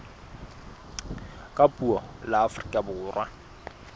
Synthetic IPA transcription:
kʼapʼuɔlaːfʊrikʼabʊːrwʔa

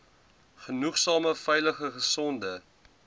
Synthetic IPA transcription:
χənuχsɑːməfɛjləχəχəsɔndə

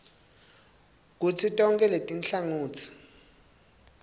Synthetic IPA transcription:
k̬ut͡sʰitʼɔŋkʼɛletʼinɬaŋuːt͡sʰi̥

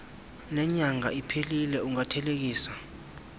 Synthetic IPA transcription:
nɛɲaŋa̰ipʰelilɛuŋatʰɛlek̬iːsa

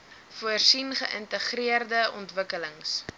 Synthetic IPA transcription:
fuərsinχəʔəntəχriərdəɔntvəkələŋs

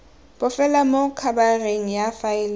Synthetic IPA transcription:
b̥ʊfɛlamokʰabareŋ̩jafaɪl

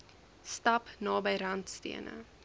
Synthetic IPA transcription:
stɐpnɑːbəjɾɐntstḭənə̰

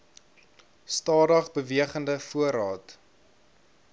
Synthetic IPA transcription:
stɑːdɐχbəviəχəndəfuəɾɑːt

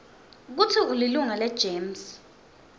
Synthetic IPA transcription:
k̬utʰiuliluŋalɛd̥ʒ̥ʱeːms

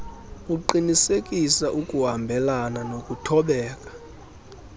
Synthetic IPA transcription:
uǃinisekʼisaʔukʼuɦambʱɛlananokʼutʰɔɓɛːkʼḁ

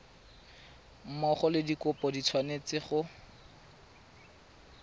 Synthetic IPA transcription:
m̩mɔχɔlɪdikʊpɔdit͡sʰwanet͡sɪχʊ

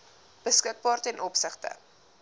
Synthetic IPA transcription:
b̥əskət̚bɑːrtəɛnʔɔpsəχtə̰

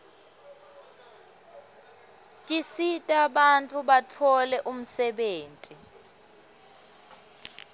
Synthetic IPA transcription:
tʼisitʼaɓant͡fʼuɓat͡fʰɔlɛʔum̩sɛɓeːntʼi

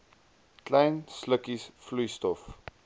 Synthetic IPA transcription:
klajnsləkisflujstɔf

